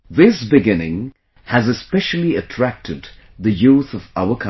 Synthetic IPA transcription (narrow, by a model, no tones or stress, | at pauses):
ðɪsbɪɡɪ̃nɪ̰̃ŋ | hɨzɨspɛʃl̩ˠiɨtʰɹ̥æk̚tʰɨd̪ | ðɨjuθʌvaʊəkʰã